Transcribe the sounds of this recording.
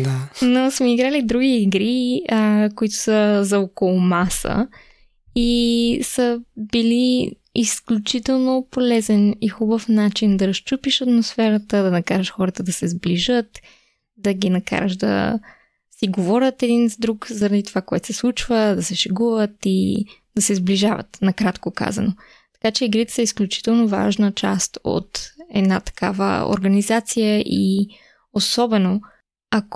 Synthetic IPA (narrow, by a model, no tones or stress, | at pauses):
d̪anosmɛiɡɾalid̪ɾuɡiːɡɾiəkoit̪ʊ̥səzɐɔkolˠʊmasə̰ | isəbili | isklʲut͡ʃit̪ɛlˠnopolɛzɛnixubəfnat͡ʃind̪ɐɾɐʃt͡ʃupiʃɐt̪mosfɛɾət̪əd̪ɐnɐkaɾəʃxɔɾət̪əd̪ɐsɛzbliʒət̪ | d̪ɐɡinɐka̰ɾə̰ʃd̪ɐ̰ | siɡovɔɾʲət̪ɛd̪inzd̪ɾukzɐɾɐd̪it̪ovakoɛt̪o̥sɛslˠut͡ʃvəd̪ɐsɛʃɛɡuvət̪i | d̪̥ɐsɛzbliʒavə̰t̪nɐkɾat̪koka̰zɐ̰no | t̪ɐ̥kat͡ʃɛiɡɾit̪ɛ̥səisklʲut͡ʃi̥t̪ɛlˠnova̰ʒnət͡ʃa̰st̪o̰t̪ɛd̪nat̪ɐ̥ka̰və̰o̰ɾɡɐnizat̪sijəʔi | osɔbɛno | ɐk